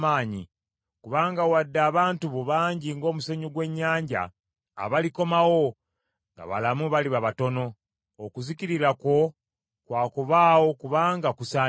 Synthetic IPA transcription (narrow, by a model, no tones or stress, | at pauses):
aːɲi | kuβaːŋɡawadːaːβaːntuβoβaːɲɟiŋɡo̞ːmuseɲuɡwe̞ɲːaːɲɟa̰ː | βaliko̞mawo̞ | ŋɡa̰βa̰lamuβaliβaβato̞no̞ː | kuziciɾiɾako̞ | kwaːkoβaːwo̞kuβaːŋɡakusa